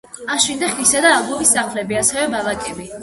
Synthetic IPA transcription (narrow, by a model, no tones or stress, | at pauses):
aʃwind̪aχisad̪aːlˠbɔmisːaχlɛbiasɛvɛbalakʼɛbi